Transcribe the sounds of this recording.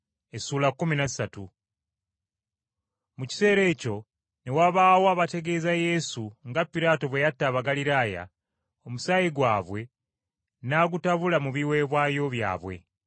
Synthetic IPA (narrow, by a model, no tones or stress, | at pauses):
esuːlakːuminazsatu | muci̥se̞ːɾe̞ːco̞ | newaβaːwoaβate̞ɡe̞ːzaje̞suŋɡapːiɾaːto̞βwe̞jatːaːβaɡaliɾaːja̰ | o̞musajiɡwaːβwe̞ | naːɡutaβulamuβiwe̞ːβwaːjo̞βja̰ːβwe̞̰